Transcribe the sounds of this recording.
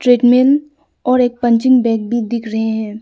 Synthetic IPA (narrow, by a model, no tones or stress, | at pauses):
ʈɾeːʈmen | ɔːɾeːk̚pɐ̃ɲt͡ʃɪ̃ŋɡbɛ̃ːk̚bʱid̪ɪkʰɾɐɦeɦɛ̃ː